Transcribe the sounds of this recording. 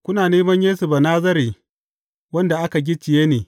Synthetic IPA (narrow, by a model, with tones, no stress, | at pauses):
kʷʊ˦naː˨neː˦mɐ˦ɲjeː˦sʊ˨ba˨naː˦zɐ˦ɾiː˨ | wɐ˦nda˨ʔa˦ka˨ɡʲɪ˦t͡ʃɪ˨jeː˦neː˨